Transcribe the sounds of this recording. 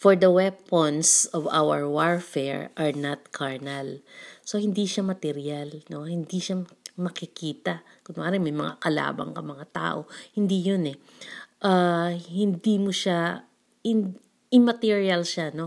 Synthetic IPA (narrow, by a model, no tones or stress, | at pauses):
fɔɹd̪ɐwɛponsɔva̰wɛɹwaɹfɛɹʔɐɹnat̪̚kʰaɹnɛlso̞hɪnd̪iʃamɐt̪ɛɾialno̞hɪnd̪iʃamɐkɪkiːt̪ɐkʊŋmɐʔaːɾɐŋmɐjmɐŋa̰kɐla̰ːbɐ̰ŋkɐmɐŋat̪a̰ːʔo̞hɪnd̪ijonɛ | ʔahɪnd̪imoʃa | ɪn | ɪmɐt̪iɹiɐlʃano̞